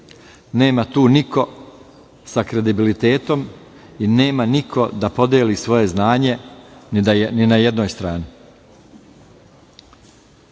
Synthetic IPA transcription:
ne̞ːmat̪uːnikʰo̞ | sakɾe̞d̪ibilit̪e̞ːt̪o̞m | ine̞ːmanikʰo̞d̪apo̞d̪jeːliːsʋo̞je̞znaːɲe̞nd̪aninajed̪noːjst̪ɾaːni

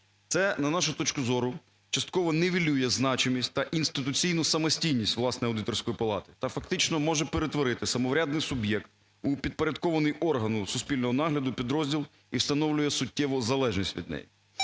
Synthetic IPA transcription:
t̪sɛnɐnɑʃʊt̪ɔt͡ʃkʊzɔɾʊ | t͡ʃɐst̪kɔʋɔneʋʲilʲujɛznɑt͡ʃɪmʲisʲtʲt̪ɐʔinst̪ɪt̪ʊt͡sʲijnʊsɐmɔsʲtʲijnʲisʲtʲʋlˠɑsnɔjɐwd̪ɪt̪ɔrsʲkɔjipɐlˠɑt̪ɪ̥t̪ɐfɐkt̪ɪt͡ʃnɔmɔʒɛpeɾet̪ʋɔɾɪt̪ɪsɐmɔʋɾʲad̪nɪjsʊbjɛkt̪ | upʲid̪̚poɾʲɐd̪̚kɔʋɐnɪjɔrɦɐnʊsʊspʲilʲnɔɦɔnɑɦlʲɐd̪ʊpʲid̪ɾɔzʲdʲilˠ | iwst̪ɐnɔwlʲʊjɛsʊt̚ʲːɛʋʊzɐlˠɛʒnʲisʲtʲʋʲḭd̪̚nɛ̰ji

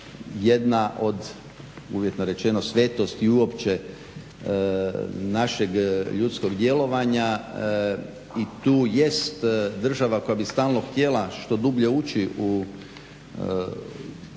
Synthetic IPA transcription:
jed̪naʔo̞d̪ | uʋjet̪noɾe̞t͡ʃe̞no̞sʋet̪o̞st̪iuo̞pt͡ʃe | naʃe̞ɡʎut̪sko̞ɡd̪je̞lo̞ʋaɲa | it̪uːje̞st̪d̪r̩ʒaʋako̞jabist̪aːlˠno̞xt̪ʲje̞laʃt̪o̞d̪ubʎe̞ut͡ʃiʔu

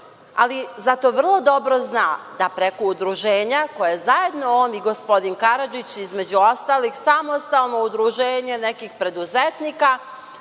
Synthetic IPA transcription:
a̰lizat̪o̞ʋr̩lˠo̞d̪o̞bɾo̞znaːd̪apɾe̞koud̪ɾuʒeːɲakojajezajed̪nooːniɡo̞spo̞d̪inkaɾad͡ʒit͡ɕizme̞d͡ʑuost̪aːlixsamost̪alˠno̞ud̪ɾuʒeːɲe̞nekixpɾe̞d̪uzet̪niːka

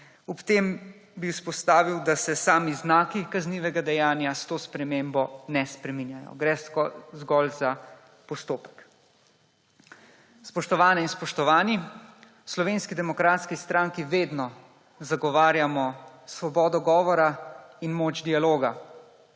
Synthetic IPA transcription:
ɔpt̪eːm | biwspɔst̪aːʋiwd̪asɛsaːmiznaːkikazniːʋɛɡad̪ɛjaːnjast̪oːspɾɛmeːmbɔnɛspɾɛminjajɔ̰ɡɾɛzɡɔlza | pɔst̪oːpə̥k | spɔʃt̪ɔʋaːnɛinspɔʃt̪ɔʋaːni | slɔʋeːnskid̪ɛmɔkɾaːt̪skist̪ɾaːŋkiʋeːd̪nɔ | zaɡɔʋaːɾjamɔsʋɔbɔːd̪ɔɡɔːʋɔɾainmoːd͡ʒd̪ialoːɡa

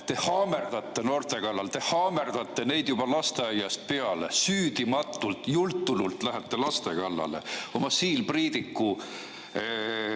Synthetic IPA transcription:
t̪e̞hɑːme̞rd̪̥ɑt̪ːe̞no̞ːrt̪e̞kɑlːɑlt̪e̞hɑːme̞rd̪̥ɑt̪ːe̞ne̞jd̪̥jub̥ɑlɑst̪e̞ɑjːɑst̪̚pe̞ɑle̞̰syːd̪̥imɑt̪ːˑult̪ˑjult̪ːulult̪ˑlæɦet̪ːe̞lɑst̪e̞kɑlːɑ̰lḛo̞mɑsiːlpriːd̪ikːˑu

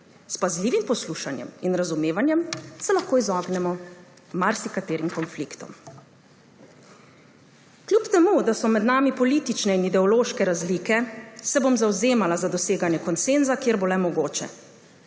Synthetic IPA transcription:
spazliːʋimpɔsluːʃanjɛ̰minɾazumeːʋanjɛmsɛlaxkoːizɔːɡnɛmɔ | maɾsikat̪eːɾimkɔnflikt̪ɔ̰m | kljupt̪ɛmud̪asɔmɛd̪naːmipɔliːt̪it͡ʃnɛinid̪ɛɔloːʃkɛɾazliːkɛsɛbomzawzeːmalazad̪ɔseːɡanjɛkɔnseːnzakjeːɾbolɛmɔɡoːt͡ʃɛ̰

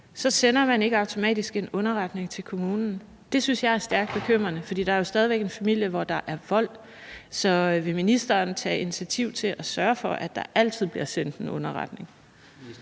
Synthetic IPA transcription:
sɒ̽senɐmæne̝ɡ̥əɑ̈ʊt͡sʰo̝mɛ̰ːd̥isɡ̥e̝nɔ̽nɐʁɑ̈d̥ne̝ŋt͡sʰe̝lkʰo̝muːnn̩ | d̥e̝synsjɑ̈ɪæɐsd̥æɐɡ̥̚d̥̚b̥e̝kʰøm̰ʁɐnəfɒ̽d̥ḭːd̥ɑ̈æɐjo̝sd̥ɛð̞ˠiʋeɡ̥e̝nfæmil̰jəʋɒd̥ɑ̈ʔæɐʋɒ̽l̰ | sɒ̽ʋe̝minisd̥ɐːnt͡sʰɛ̰ːinit͡sʰiæt͡sʰiʊ̰t͡sʰe̝lʔæsɶːɐfɒ̽ʔæd̥ɑ̈ʔæl̰t͡sʰið̞̰ˠb̥liɐsen̰d̥e̝nɔ̽nɐʁɑd̥ne̝ŋ

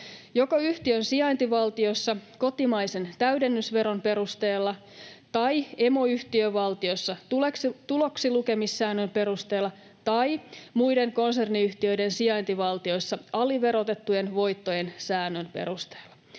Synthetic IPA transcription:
jo̞koyht̪iønsiɑint̪iʋɑlt̪iosːɑko̞t̪imɑise̞nt̪æyde̞nːysʋe̞ɾo̞mpe̞ɾust̪e̞ːlːɑ | t̪ɑie̞mo̞yht̪iøʋɑlt̪io̞sːɑt̪ulekst̪ulo̞ksiluke̞misːæːnːømpe̞ɾust̪e̞ːlːɑ | t̪ɑimujde̞ŋko̞nse̞rniyht̪iø̞jdensiɑint̪iʋɑlt̪io̞jsːɑʔɑliʋe̞ɾo̞t̪e̞t̪ːuje̞nʋo̞jt̪ːoje̞nsæːnːønpe̞̰ɾust̪e̥ːlːɑ̥

